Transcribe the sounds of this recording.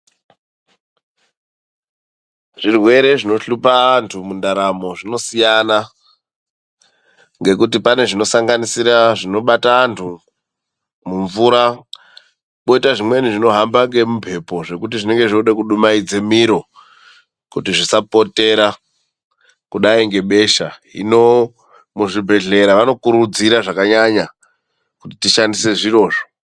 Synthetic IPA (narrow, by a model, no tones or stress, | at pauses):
ʐ̥irwe̞ɾe̞ʐino̞ɬupaːntʰumundaɾamo̞ʐino̞sijana | ŋɡe̞kut̬ipane̞ʐino̞saŋɡanisiɾaʐino̞ɓataːntʰu | muɱvuɾa | ko̞itaʐimwe̞niʐino̞ɦambaŋɡe̞mumpʰe̞po̞ʐe̞kutiʐine̞ŋɡe̞ʐouɗekuɗumaid͡ze̞miɾo̞ | kutiʐisapo̞te̞ɾa | kuɗaiŋɡe̞ɓe̞ʃaḭno̞ | muʐibʱe̞ɮe̞ɾaʋano̞kuɾud͡ziɾaʐakaɲaɲa | kutitiʃandise̞ʐiro̞ːʐo̥